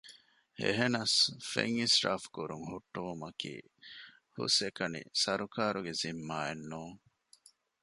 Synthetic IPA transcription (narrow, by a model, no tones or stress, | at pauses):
ḛɦenɐsfḛŋisʈa̰ːfkuɾuŋhuʈːuumɐkḭː | hṵsekɐnḭsɐɾukaːɾuɡezimːaːenːuːŋ